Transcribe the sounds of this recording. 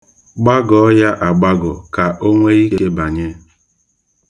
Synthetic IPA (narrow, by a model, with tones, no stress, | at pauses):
ɡ͡ba˦ɡɔ˨˦ja˦ʔa˨ɡ͡ba˦ɡʊ̰˨ka˨ʔo˦ŋʷe˦i˦ke˦e˦ba˨ɲe˦